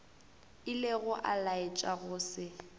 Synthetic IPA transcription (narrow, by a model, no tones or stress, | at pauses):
ɪleɣʊʔalaɪt͡ʃʼaɣʊːsɪ